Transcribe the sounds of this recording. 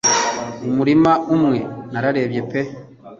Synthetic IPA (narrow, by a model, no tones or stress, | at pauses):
umuɾimaumŋe̞naɾaɾe̞ːbje̞pe